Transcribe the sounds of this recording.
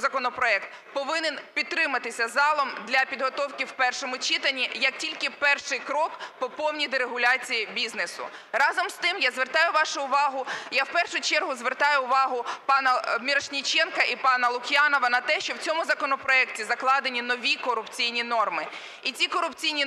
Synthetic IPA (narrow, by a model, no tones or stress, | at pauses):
zɐkɔnɔpɾɔɛk̚t̪̚ | pɔʋɪnenpʲidt̪ːɾɪmɐt̪ɪsʲɐzɑlˠɔmd̪lʲɐpʲid̪ɦɔt̪ɔwkʲɪwpɛrʃɔmʊt͡ʃɪt̪ɐnʲːijɐk̚tʲilʲkɪpɛrʃɪjkɾɔkpɔpɔwnʲijd̪eɾeɦʊlʲɑt͡sʲijibʲiznesʊ̰ | rɑzɔmst̪ɪmjazʋert̪ɑjʊʋɑʃʊʊʋɑɦʊjawpɛrʃʊt͡ʃɛrɦʊzʋert̪ɑjʊʊʋɑɦʊpɑnɐmʲiɾɐʃnʲit͡ʃɛnkɐʔipɑnɐlˠʊxʲjɑnɔʋɐnɐt̪ɛʃt͡ʃɔwt͡sʲɔmʊzɐkɔnɔpɾɔɛktʲizɐklˠɑd̪enʲinɔʋʲikɔɾʊpt͡sʲijnʲinɔrmɪ | it͡sʲikɔɾʊpt͡sʲijnʲi